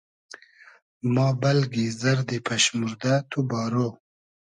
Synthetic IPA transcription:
mɑːbɐlɡizɐɾd̪ipʰaɕmuɾd̪at̪ʰubɑːɾo

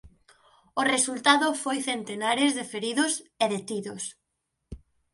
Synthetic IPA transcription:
ʊresult̪aðʊfojθent̪enaɾɪzðɪfeɾiðʊseðet̪iðʊs

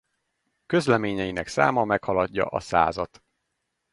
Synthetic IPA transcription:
kø̞zlɛmeːɲɛjinɛksa̰ːmɒmɛkhɒlɒɟːɒ̰ʔɒsa̰ːzɒt̪

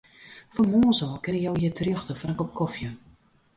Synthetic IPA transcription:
fɔmoːsɔːkɪnəjowjətʰrjɔxtəfraŋkɔp̚kʰɔfjə

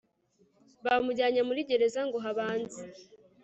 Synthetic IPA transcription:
βamuɟaːɲamuɾiɟe̞ɾe̞zaŋɡo̞ɦaβaːnzi

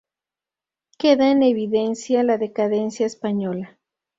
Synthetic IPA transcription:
ke̞ðaene̞βiðe̞nsjalaðe̞kaðe̞nsjaespaɲola

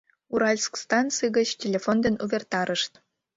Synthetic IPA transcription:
uɾɑlʲskst̪ɑnsɨɡə̆t͡ɕtʲelʲefond̪ə̆nuβʲert̪ɑɾʔə̆ʂt̪

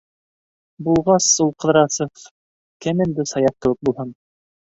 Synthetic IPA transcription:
bulˠʁɑsulˠqɤ̆ðɾɑsɤf | kɘmɘ̆nd̪ɘsɑjɑq̚t̪ɤ̆wɘk̚bulˠhɤn

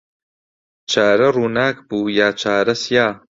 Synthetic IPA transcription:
t͡ʃʰaːɾɐruːnaːkbuːjaːt͡ʃʰaːɾɐsjaː

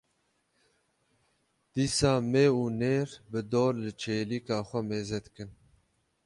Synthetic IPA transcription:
d̪̥iːsaːmeːuːneːɾbɨd̪oːɾlɨt͡ʃʰeːlikɑːxʷɛmeːzɛt̪kɨn

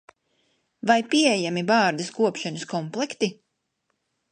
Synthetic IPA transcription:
vajpiejamibaːɾd̪ɨskuɔpʃanɐskɔmplˠɛkt̪i

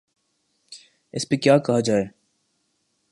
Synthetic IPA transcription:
ɪ̰spekjaːkɐɦad͡ʒaːeː

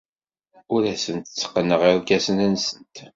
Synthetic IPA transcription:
ʊɾæsənt̪t͡sːə̥qːənːəʁiɾkæsənænsənt̪

